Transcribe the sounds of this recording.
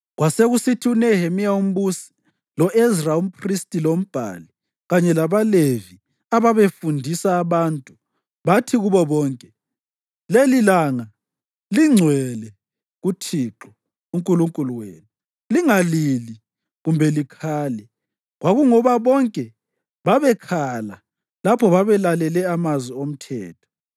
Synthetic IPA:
ɣwaseɣusitʰiunɛhemiaum̩βusi̥ | lɔʔezraum̩pʰristʼilom̩b̥ʱa̰li | ɣaɲɛlaβalevi | aβaβefundʱisaːβantʼu | βatʰiɣuβɔβɔːŋkʼɛ | lelilaːŋa | liŋ͡ǀʱwɛlɛ | ɣutʰiːǁɔ | uŋkʼuluŋkʼuluwḛnu | liŋalili | ɣumbʱɛlikʰaːlɛ | ɣwaɣuŋɔβaβɔŋkʼɛ | βaβɛkʰala̰ | lapʰɔβaβɛlalɛlɛamazwiom̩tʰɛːtʰɔ̥

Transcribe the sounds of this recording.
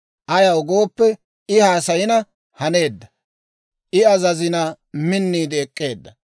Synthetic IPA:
ʔɐjɐwɡo̞ːpːɛ | ɪhaːsɐjɪnɐ | hɐne̞ːd̪ːɐ | ʔɪɐzɐzɪnɐ | mɪnːiːd̪ɪɛkʼːe̞ːd̪ːɐ

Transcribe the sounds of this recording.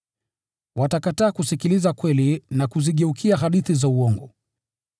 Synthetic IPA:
watakataːkusikilizakwɛlinakuziɠɛukʰiaɦaɗiθizauɔŋɡɔ

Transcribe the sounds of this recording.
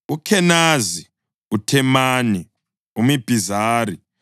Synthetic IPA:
ukʰɛnaːzi | utʰɛmaːni | umib̥ʱizaːri

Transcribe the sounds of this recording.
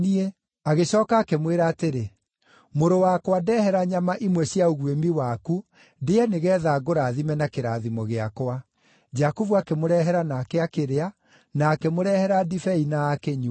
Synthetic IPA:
nie | aɣeɕɔːkaːkɛmweɾaːteɾe | moɾowakwadɛhɛɾaɲamaʔimwɛɕjaoɣwemiwaku | deɛneɣɛːðaɡoɾaːðimɛnakeɾaðimɔɣeakwa | d͡ʑakovuakɛmoɾɛɦɛɾanakeakeɾea | naːkɛmoɾɛhɛɾadifɛinaːkɛɲu

